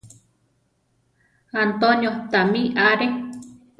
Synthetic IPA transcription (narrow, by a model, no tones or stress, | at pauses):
ant̪oɲjot̪amĩʔaɾe